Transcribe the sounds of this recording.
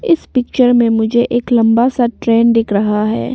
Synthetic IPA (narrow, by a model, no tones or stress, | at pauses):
ɪspɪk̚t͡ʃəɾmẽmʊd͡ʒʱeʔeːklɐ̃mbasaʈɾɛːnɖɪkɾɐɦaɦɛ̰ː